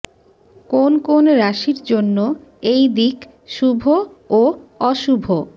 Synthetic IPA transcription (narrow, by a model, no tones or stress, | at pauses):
konkonɾaʃiɾd͡ʑonːoejd̪ik | ʃubʱooɔʃubʱo